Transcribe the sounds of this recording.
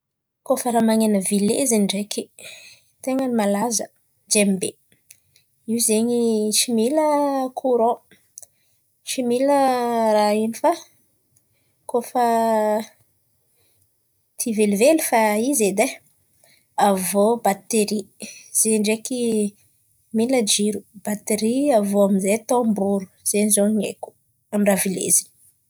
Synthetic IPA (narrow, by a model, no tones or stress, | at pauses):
kofəɾamaŋenəvilḛzeɳɖ͡ʐeki | t̪eŋənimalazə̰ | d͡ʒembe | iwzeɲiʃimiləkʰuɾo | ʃimilərainifa | kofə | t̪ʰivelivelifaized̪e | avobat̪eɾiz̥eɳɖ͡ʐeki | miləd͡ʒiɾubat̪eɾiavoamizet̪ombuɾu̥z̥eɲizoɲḛku̥ | amɳɖ͡ʐavilḛzin